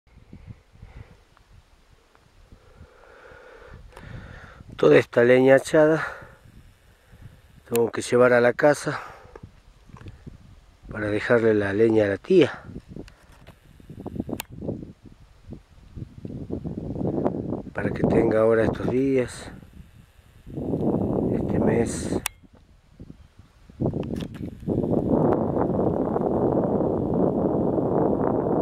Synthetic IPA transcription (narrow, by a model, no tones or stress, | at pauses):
t̪oðaest̪aleɲat͡ʃaða | t̪eŋɡokeʃeβaɾalakasa | paɾaðexaɾlelaleɲalat̪ia | paɾaket̪eŋɡaoɾaest̪ozðias | ḛst̪ʰemes